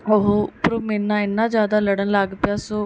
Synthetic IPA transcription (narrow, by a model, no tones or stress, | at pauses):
oɦoːpɾoːmɛnːãːɪnːãːzjaːd̪aːləɽənlaɡpɪjaːsoː